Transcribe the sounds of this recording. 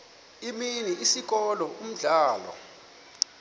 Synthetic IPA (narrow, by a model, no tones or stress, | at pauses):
iminiisik̬ɔlɔum̩ɮaːlɔ̰